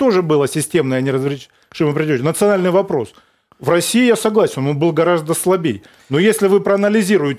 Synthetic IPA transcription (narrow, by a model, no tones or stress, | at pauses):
t̪o̞ʐɨbɨlˠəsʲɪsʲtʲe̞mnəjənʲɪrəzvɾʲɪ | ʂɨməpɾʲɪdʲɪt̪ʲɪnət̪sɨɐnalʲnɨjvɐpɾo̞s | vrɐsʲijɪjasɐɡlˠasʲɪnonbɨlˠɡɐɾazd̪əslˠɐbʲej | no̞jesʲlʲɪvɨpɾəɐnəlʲɪzʲiɾʊjɪtʲ